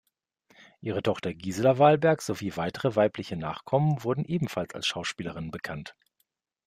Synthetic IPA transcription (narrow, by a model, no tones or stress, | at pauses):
ʔiːʁ̞ətʰɔχtɐɡiːzəlɐvaːlbɛɐkz̥oviːvaɪtəʁəvaɪplɪçəna̰ːχkʰɔmənvʊɐdn̩ʔeːbm̩falsa̰lsʃaʊʃpiːləʁɪnbəkʰant